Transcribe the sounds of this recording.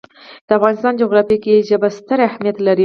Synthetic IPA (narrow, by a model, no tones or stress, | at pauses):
d̪̥əafɣɑnɪst̪ɑnd͡ʒuɣɾɑfikeʒəbast̪əɾahmijat̪laɾi